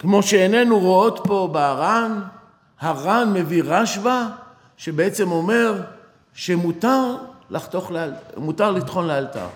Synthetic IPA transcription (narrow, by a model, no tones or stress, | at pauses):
kmo̞ʃeene̞nuʁoo̞t̪po̞beaʁan | haʁanme̞viʁaʃva | ʃe̞beet͡se̞mo̞me̞ʁ | ʃemut̪aʁlaχt̪oχlmut̪aʁlit̪χo̞nlealt̪a̰ʁ